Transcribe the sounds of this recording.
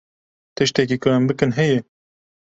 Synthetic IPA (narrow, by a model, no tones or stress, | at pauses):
t̪ɨʃt̪ɛk̬iːkʊɛmbɨkɨnɦɛjɛ